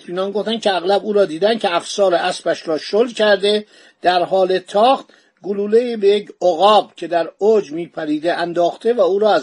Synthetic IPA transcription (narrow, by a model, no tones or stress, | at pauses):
iːnɒːnɡo̞ft̪æn̚cʰeæɣlæbuːɾɒːd̪iːd̪æn̥̚cʰeæfsɒːɾeʔæsbæʃɾɒːʃolcʰæɾd̪e̞ | d̪̥æɾɦɒːle̞t̪ʰɒːxt̪ | ɡoluːleiːbejecoɣɒːbcʰe̞d̪æɾod͡ʒmiːpʰæɾiːd̪eʔænd̪ɒːxt̪ʰe̞væuːɾɒːæz